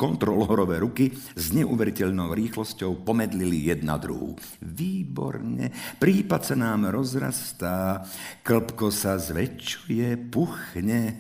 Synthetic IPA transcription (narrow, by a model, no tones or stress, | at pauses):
kɔnt̪ɾɔlɔɔɾɔʋɛɾukizɲɛʔuʋɛɾicɛʎnɔʊɾiːxlɔscɔʊpɔmɛd̪lilijɛd̪na̰d̪ɾṵɦṵː | ʋiːbɔ̰ɾɲɛ̰pɾiːpatsanaːmɾɔzɾa̰st̪aːkl̩pkɔsazʋɛt͡ʃːujɛpuxɲɛ